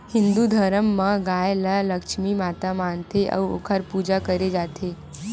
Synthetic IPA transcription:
hɪ̃nd̪ud̪ʱəɾəmːə̃ɡaːjlələkʃmimaːt̪amaːnt̪eʔə̰ʋo̰kʰəɾpuːd͡ʒakəɾed͡ʒaːt̪ʰe

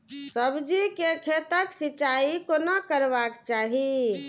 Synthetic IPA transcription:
səbd͡ʒikekʰet̪əksit͡ʃaikonəkəɾbakt͡ʃaɦi

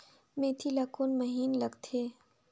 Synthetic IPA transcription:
mẽt̪ʰilaːkoːnmɐɦiːnlɐɡt̪ʰeː

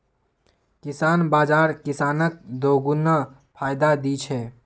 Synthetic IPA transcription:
kɪsaːnbaːd͡ʒaːɾkɪsaːnək̚d̪oːɡunə | pʰaːjd̪ad̪it͡ʃʰɛː

